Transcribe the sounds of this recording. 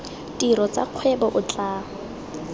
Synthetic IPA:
tiɾɔt͡sa̰q͡χʰwɛbɔʔʊt͡ɬʼaː

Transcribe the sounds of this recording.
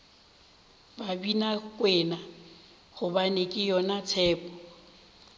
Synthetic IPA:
babinakʼwɛna | ɣʊbanekʼɪjɔnat͡sʰɛːpʼɔ

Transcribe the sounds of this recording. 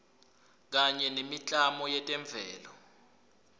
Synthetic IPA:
k̬aɲɛnemit͡ɬʼamɔjɛtʼɛɱb̪vʱɛːlɔ

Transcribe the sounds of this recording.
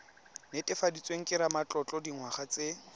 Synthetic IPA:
netʼɪfadit͡sʼweŋ̩kʼɪɾamat͡ɬʼɔt͡ɬʼɔdiŋwaχat͡sʼe

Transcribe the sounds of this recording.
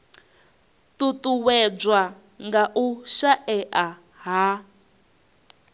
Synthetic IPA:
tutuwɛb͡ʐwa | ŋɡaʔuʃaʔɛʔa | ɦa

